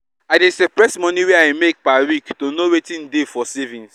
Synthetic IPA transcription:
aɪdesɛpɾɛsmɔ̃niwɛaɪmek̚pawiktonowetĩndefɔsevĩns

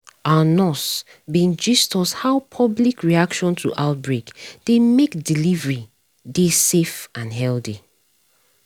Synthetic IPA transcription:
anɔs | bĩnd͡ʒistɔshaʊpʰɔblikɹiakʃɔ̃ntʰṵʔaʊt̚bɹekd̥emekdilivɹi | desefãnɦɛlθi

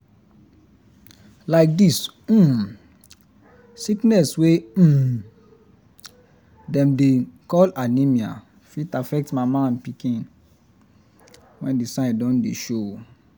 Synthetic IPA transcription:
laɪk̚dism̩ | siknɛswe | dɛ̃mdekɔlanĩmia̰ | fitafɛk̚tmamãnpikĩn | wɛ̃ndisãndɔ̃ndeʃo

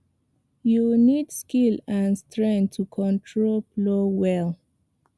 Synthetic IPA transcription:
junidskilãnstɹɛ̃ntʰukʰɔ̃ntʰɹolplowɛl

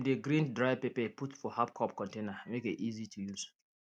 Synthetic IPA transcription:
ndeɡɹĩndɹaɪpepɛputfɔhap̚kʰɔpkɔ̃ntẽnamekitizitʰujuz̥

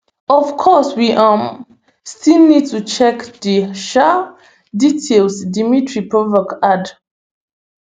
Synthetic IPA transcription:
ɔfkʰɔswiʔam | stilnid̚tut͡ʃɛkdiʃa | ditʰelsdimitʰɹipʰɔvəkad

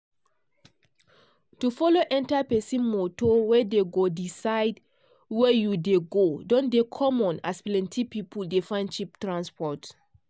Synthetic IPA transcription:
tufɔloʔɛ̃ntapɛsĩmotowɛdeɡodisaɪd | wɛjudeɡodɔ̃ndekʰɔmɔ̃na̰splɛ̃ntʰipipʰuldefãɪ̃nt͡ʃip̚tɹãnspɔt

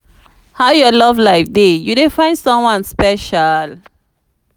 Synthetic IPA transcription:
haʊjɔlɔvlaɪfdejudefãɪ̃nsɔ̃mwɔ̃nspɛʃal

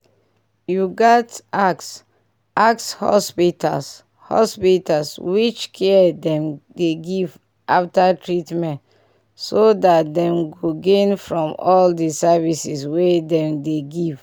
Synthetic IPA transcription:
juɡɔtaks | ʔakshɔ̰spitʰa̰ls | hɔ̰spitalswit͡ʃkʰɛdɛ̃mdeɡiv | ʔaftatɹitmɛ̃nt | sodatdɛ̃mɡoɡẽnfɹɔ̃mɔldisɛvisiswedɛ̃mdeɡiv

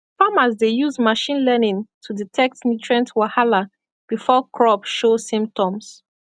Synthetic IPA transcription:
famazdejuzmaʃĩnlɛnĩntʰuditʰɛk̚tnitʰɹɛ̃ntwahala | b̥ifɔkʰɹɔbʃosĩmp̚tʰɔ̃ms

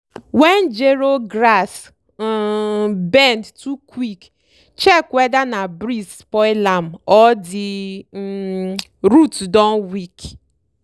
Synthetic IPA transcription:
wɛnd͡ʒeɾoɡɾas | bɛndtukwik | t͡ʃɛkwɛdanabɾis | pɔɪlamɔdɪ | ɾutdɔ̃nwik

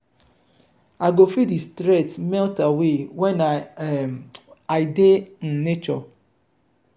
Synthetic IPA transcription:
aɡofidistɾɛtmɛltawewɛna | aɪden̩net͡ʃɔ

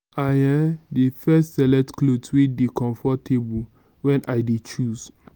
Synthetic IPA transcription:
ajɛ̃mdifɛstsɛlɛtkloswidekɔ̃ɱfɔtʰebul | wɛ̃nʔajdet͡ʃus

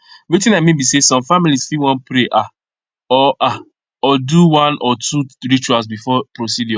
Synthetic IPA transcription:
witĩnamebisesɔ̃mfamilisfiwɔ̃npɾeʔa | ɔʔa | ɔduwãnʔɔtʰuɹit͡ʃualsbifɔpɾosidjɔ̃

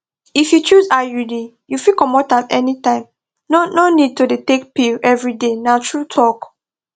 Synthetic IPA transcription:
ifjut͡ʃuzajulĩ | jufikɔmɔtamɛnitãɪ̃m | nononid̚todetek̚piɛvɹidenatʰɹutʰɔk

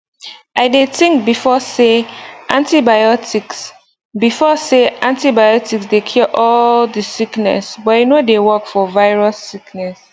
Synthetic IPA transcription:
ʔaɪdetĩŋk̚bifɔseʔãntibajɔti | bifɔseãntibajɔtiksdekʰjɔʔɔldəsiknɛ̰sbɔajunodewɔkfɔvaɪɹasːiknɛs

